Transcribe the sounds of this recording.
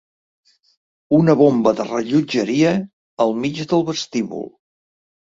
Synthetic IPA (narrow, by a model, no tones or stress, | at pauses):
unəβombəðərəʎud͡ʒəɾiə | əlˠmid͡ʒðəlˠβəst̪iβṵlˠ